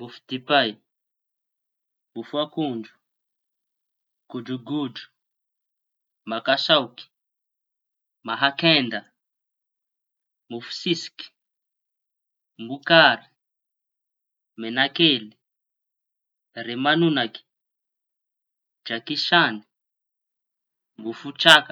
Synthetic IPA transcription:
mufu̥t̪ipaj | mufuakund͡ʒu̥ | ɡ̥ud͡ʒuɡud͡ʒu̥ | makaʃawki̥ | maɦakɛnd̪a | mufu̥siski̥ | mbukaɾi | mɛnakeli | ɾimanunaki̥ | d͡ʒakiʃani | mbufut͡ʃak

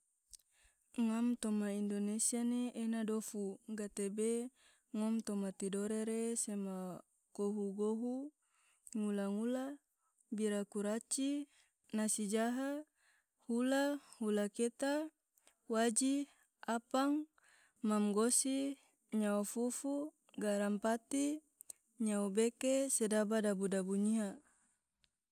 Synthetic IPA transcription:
ŋamt̪omaindonesianeːnadofuɡat̪ebe | ŋɔmt̪omat̪idoɾeɾesema | koɦuɡoɦu | ŋulaŋula | biɾakuɾat͡ʃi | nasid͡ʒaɦa | hulahulaket̪a | wad͡ʒi | apaŋ | mamɡosi | ɲaofufu | ɡaɾampat̪i | ɲaobekesedabadabudabuɲiɦa

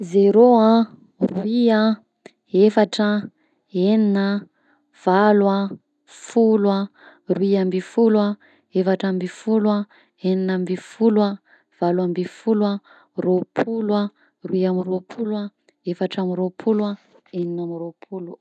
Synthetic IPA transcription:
zeɾoã | ruia | efaʈ͡ʂə | eninə | v̥alwa | fulwa | ruiambifulwa | efaʈ͡ʂambifulwa | eninəmbifulwa | v̥alwambifulwa | ropʰulwa | ruiamiropʰulwa | efaʈ͡ʂamiɾopʰulwa | eninamiropʰulu

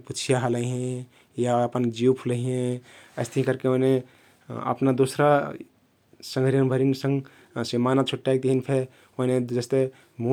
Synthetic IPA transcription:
put͡ʃʰijaɦələɦẽ | jaəpənd͡ʒiwpʰuləiɦẽəɪst̪ɦĩkəɾkeone | ə̰pnad̪osɾa | sə̃ŋɡɾənbʱəɾinsə̃ŋɡ | simanat͡ʃʰoʈːak̚t̪iɦinpʰe | oɦned͡ʒəst̪e | mu

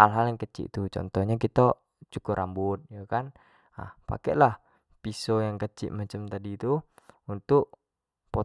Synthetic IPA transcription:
alɦaljaŋkət͡ʃḭʔt̪ut͡ʃɔ̰nt̪ɔhɲak̬it̪ɔ | t͡ʃukuɾʔa̰mbut̪̚iukan | a̰hpa̰kɛʔlah | pisojaŋkət͡ʃḭʔmat͡ʃəmt̪adit̪uunt̪ʊʔ | pɔ

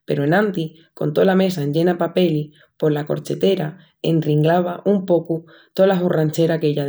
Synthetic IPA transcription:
peɾoenãnt̪i | ko̞nt̪olame̞saenʎe̞napape̞li | po̞ɾlako̞̰ɾt͡ʃet̪e̞ɾa | ḛnriŋɡlaβ̞aʔumpo̞ku | t̪olaɦurant͡ʃe̞ɾakeʎað

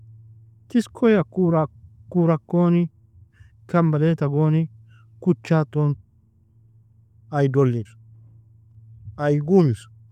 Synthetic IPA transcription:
t̪iskʰɔjakuɾakuɾakːoni | kambalet̪aɡoni | kut͡ʃːat̪on | ajdolːis | ajɡums

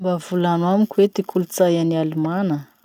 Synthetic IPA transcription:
mbavulanwamikʲwet̪ikʰulut͡sajanialumanə

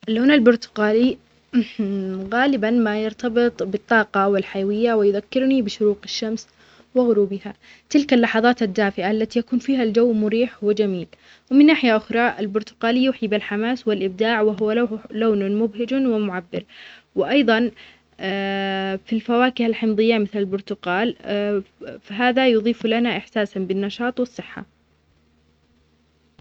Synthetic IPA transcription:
ʔalːoːnalbʊɾt̪ʊ̥qaːli | ɣaːlɪbanmajɪɾt̪abɪt̪ˤbɨt̪ˤːɑːqɑwɪlħajawɪjːawɪjʊðakːɪɾnibɪʃʊɾuːqaʃːams | wɪɣʊɾuːbɪha | t̪ɪlkalːɑħɑðˤɑːt̪ad̪ːaːfɪʕaʔlːat̪ijakuːnfiːɦald͡ʒawːmʊɾiːħwɪd͡ʒamiːl | wɪmɪnːaːħɪjaʔʊxɾˤɑʔalbʊɾt̪ʊ̥qaːljuːħibɪlħamaːswɪlʔɪb̚d̪aːʕwɪɦʊwaloːnʊnmʊbɦɪd͡ʒwɪmʊʕabːɪɾwɪʔɑjðˤɑn | filfawaːkɪhalħɪmðˤɨjːamɪθlalbʊɾt̪ʊɡaːl | faɦaːðajʊðˤiːflanaʔɪħsaːsanbɪnːɑʃɑːt̪ˤwɨsˤːɨħːa̰

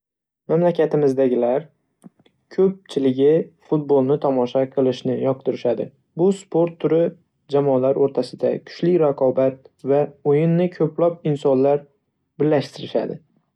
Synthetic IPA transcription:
mamlakʲat̪ɪmɪzd̪aɡʲɪlaɾ | kʲʰɵp̚t͡ʃʰɪlɪɡʲɪfʊt̪̚bolˠnɪt̪ʰɒmɒʃaqʰɨlˠɪʃnɪjɒq̚t̪ɪɾɪʃad̪ɪ̰ | bʊspoɾt̪ʰːʊɾɪ | d͡ʒamɒlaɾoɾt̪ʰasɪd̪a̰kʲʰʊ̥ʃlɪɾaqʰɒbat̪̚vaojɪnːɪkʰɵplɒp̚ɪnsɒnlaɾ | bɪɾlaʃt̪ɪɾɪʃa̰d̪ɪ̰

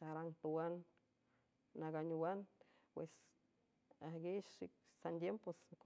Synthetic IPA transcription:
aɾaŋt̪uwan | aɡaɲuwan | pwes | aɡeʃisand̪jemposk

